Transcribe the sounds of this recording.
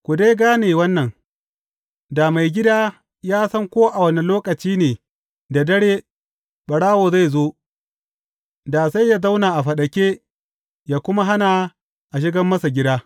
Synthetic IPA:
kʷʊ˨deː˦ɡaː˦neː˨wɐ˦nːɐ˨ŋ | da˨ma˨jɡʲɪ˦daː˦ | jaː˦sɐ˦ŋkʷoː˦ʔa˨wɐ˦ni˨loː˦kɐ˨t͡ʃiː˦neː˨ | da˨dɐ˦ɽeː˦ | ɓɐ˨ɽaː˦woː˨za˦˨jzoː˦ | da˨sa˦jːa˦za˦wnaː˨ʔa˨ɸɐ˨ɗɐ˨kʲeː˦ | jaː˦kʷʊ˦ma˦ɦa˦na˨ | ʔa˨ʃ̬ɪ˦ɡɐ˦mːɐ˦sa˨ɡʲɪ˦daː˦

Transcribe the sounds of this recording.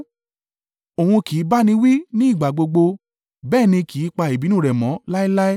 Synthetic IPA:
o˨hũ˧ki˨˦ba˦nĩ˧wi˦nĩ˦i˦˨ɡ͡ba˨ɡ͡bo˧ɡ͡bo˧ | bɛː˦˨nĩ˧ki˨˦k͡pa˧i˨bi˨˦nũ˦˨ɾɛ˨mɔ̃˨˦la˦i˦la˦i˦

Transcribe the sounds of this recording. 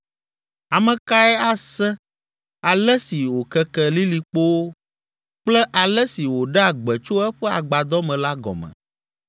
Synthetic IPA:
a˨mɛ̃˨ka˦ɛ˦a˦sɛ˦ | a˨lɛ˦si˨wo˨kɛ˦kɛ˦li˦li˨k͡po˦wo˦ | k͡plɛ˦ʔa˨lɛ˦si˨wo˨ɖɛ˦a˨ɡ͡bɛ˨t͡ʃo˦ɛ˦ɸɛ˦a̰˨ɡ͡ba˨d̪ɔ˦mɛ̃˨la˦ɡɔ̰˨mɛ̰̃˨

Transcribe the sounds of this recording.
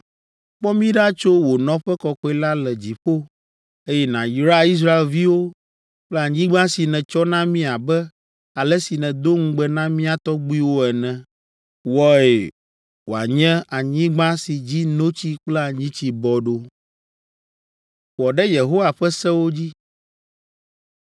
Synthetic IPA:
k͡pɔ˦mĩ˦ɖa˦t͡ʃo˦wo˨nɔ̃˦ɸɛ˦kɔ˨kɔ˦i˦la˦lɛ˨d͡ʑi˨ɸo˦ | e˦jɛ˦nã˨jɾa˦˨i˦s̬ɾa˦e˨lvi˦wo˦ | k͡plɛ˦a˨ɲĩ˦ɡ͡bã˦si˨nɛ̃˨t͡ʃɔ˦nã˦mĩ˦a˨bɛ˦ | a˨lɛ˦si˨nɛ̃˨d̪o˦ŋ̩˦ɡ͡bɛ˦nã˦mĩ˦a˨t̪ɔ˦ɡ͡bu˦i˦wo˦ɛ˨nɛ̃˨ | wɔ˦e˨ | wo˨a˨ɲɛ̃˦a˨ɲĩ˦ɡ͡bã˦si˨d͡ʑi˦nõ˦t͡ɕi˦k͡plɛ˦a˨ɲĩ˦t͡ɕi˦bɔ˨ɖo˦ | ɸɔ˨ɖɛ˦je˨ɦo˦wa˨ɸɛ˦sɛ˦wo˦d͡ʑi˦

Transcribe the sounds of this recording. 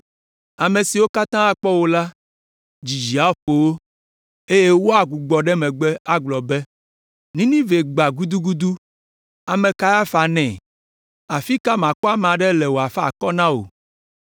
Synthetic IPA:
a˨mẽ˨si˨wo˦ka˦t̪ã˦a˨k͡pɔ˦wo˦la˦ | d͡ʑi˨d͡ʒi˨a˦ɸo˨wo˦ | e˦je˦wo˦a˨ɡu˨ɡ͡bɔ˨ɖɛ˦mɛ̃˨ɡ͡bɛ˦a˦ɡ͡blɔ˨bɛ˦ | nĩ˦nĩ˦ve˨ɡ͡ba˨ɡu˦d̪u˦ɡu˦d̪u˦ | a˨mɛ̃˨ka˦ja˦fa˨nɛ̃˨ | a˨fi˦ka˦mã˨kɔ˦a˦m˨ã˨ɖɛ˦lɛ˨wo˨a˨fa̰˨kɔ˦nã˦wo̰˨

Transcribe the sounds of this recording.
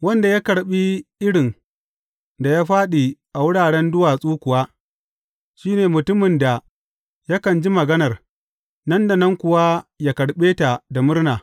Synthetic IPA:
wɐ˦nda˨ja˦kɐ˨ɽɓi˦ʔɪ˦ɽɪ˨n | da˨jaː˦ɸaː˦ɗi˨ʔa˨wʊ˦ɽaː˨ɽɛ˦ndʊ˦waː˨sʼuː˦kʷʊ˨waː˦ | ʃiː˦neː˨mʊ˨tʊ˦mɪ˨nda˨ | ja˦kɐ˨nd͡ʒi˦mɐ˨ɡɐ˦nɐ˨r | nɐ˦nda˨nɐ˦ŋkʷʊ˨wa˦ja˦kɐ˨ɽɓeː˦ta˨da˨mʊ˦rnaː˨

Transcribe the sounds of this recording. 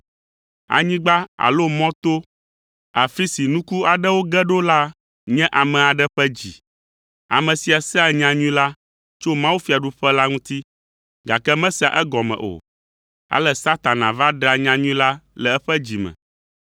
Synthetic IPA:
a̰˨ɲĩ˦ɡ͡ba˦a̰˨lo˦mɔ̃˦t̪o˦ | a˨fi˦si˨nũ˦ku˦a˨ɖɛ˦wo˦ɡɛ˦ɖo˦la˦ | ɲɛ̃˦ʔa˨mɛ̃˨a˨ɖɛ˦ɸɛ˦d͡ʑi˨ | a̰˨mɛ̃˨si˨a˨sɛ˦a˨ɲã˨ɲũ˦ĩ˦la˦ | t͡ʃo˦mã˦wu˦fi˨a˨ɖu˦ɸɛ˦la˦ŋũ˦t̪i˦ | ɡa˨kɛ˦mɛ̃˦si˨a˨ʔɛ˦ɡɔ˨mɛ̰̃˨ʔo̰˨ | a̰˨lɛ˨sa˦t̪a˨nã̰˨va˦ɖa˨ɲã˨ɲũ˦ĩ˦la˦lɛ˨ɛ˦ɸɛ˦d͡ʑi˨mɛ̰̃˨

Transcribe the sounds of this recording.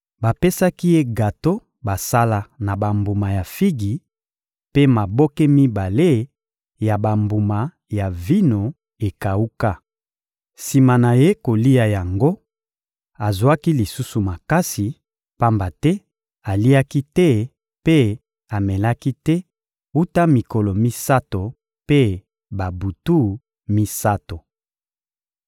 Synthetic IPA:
ba˨pe˦sa˦ki˦je˦ɡa˨to˦ | ba˨sa˦la˦na˨ba˨mbu˨ma˨ja˨fi˦ɡi˨ | pe˦ma˨bɔ˦ke˦mi˦ba˨le˦ | ja˨ba˨mbu˨ma˨ | ja˨vi˦no˨ | e˨ka˨u˦ka˦ | si˨ma˨na˨je˦ko˨li˦a˨ja˨ŋɡo˦ | a˨zwa˦ki˦li˨su˦su˨ma˨ka˦si˨ | pa˦mba˨tɛ˦ | a˨li˦a˦ki˦tɛ˦ | pe˦ | a˨mɛ˨la˦ki˦tɛ˦ | u˦ta˦mi˨ko˨lo˨mi˦sa˦to˨ | pe˦ | ba˨bu˨tu˦ | mi˦sa˦to˨

